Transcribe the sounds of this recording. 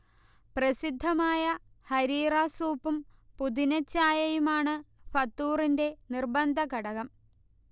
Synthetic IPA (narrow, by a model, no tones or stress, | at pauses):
prɐsid̪ʱːɐmaːjɐ | hɐɾiːraːsuːpːumpud̪inɐt͡ɕːaːjɐjumaːɳɨfɐt̪ːuːrinde̞nirbɐnd̪ʱɐkɐɽɐɣɐm